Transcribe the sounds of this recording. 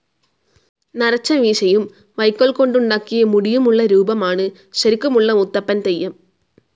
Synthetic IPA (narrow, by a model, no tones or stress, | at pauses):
nɐɾɐt͡ɕːɐʋiːɕɐjum | ʋɐjkːoɭko̞ɳɖuɳɖaːkːijɐmuɽijumuɭːɐɾuːbɐmaːɳɨ | ɕɐɾikʲːumuɭːɐut̪ːɐpːɐnt̪ejːɐm